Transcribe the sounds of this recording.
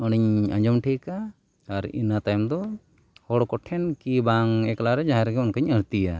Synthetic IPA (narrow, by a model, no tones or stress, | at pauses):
ɔɽ̃iɲa̰ɲd͡ʒɔmʈʰɛkaː | ɾḭnat̪ajmd̪ɔ | hɔɽkɔʈʰɛnkibaŋɛklaɾɛd͡ʒaɦãɾɛɡɛɔnkaɲəɽt̪ija